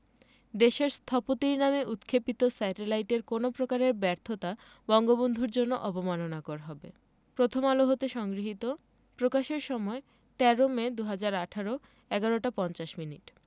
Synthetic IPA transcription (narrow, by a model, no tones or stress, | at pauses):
d̪eʃeɾst̪ʰɔpot̪iɾnameʔut̪kʰepit̪osɛʈelajʈeɾkonopɾokaɾeɾbɛɾt̪ʰot̪a | bɔŋɡobond̪ʱuɾd͡ʑonːoʔɔpomanonakɔɾaɦɔbḛ | pɾot̪ʰomaloɦot̪eʃɔŋɡɾiɦit̪o | pɾokaʃeɾʃɔmɔe | t̪ɛɾomed̪uɦad͡ʑaɾaʈʰaɾo | ɛɡaɾoʈapɔnt͡ɕaʃminḭʈ